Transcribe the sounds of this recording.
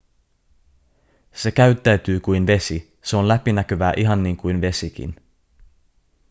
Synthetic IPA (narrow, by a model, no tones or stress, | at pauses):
se̞kæyɥt̪ːæɥt̪yːkujnʋe̞si | se̞o̞nlæpinækøʋæːʔiɦɑnːiːŋkujnʋe̞sik̟ḭn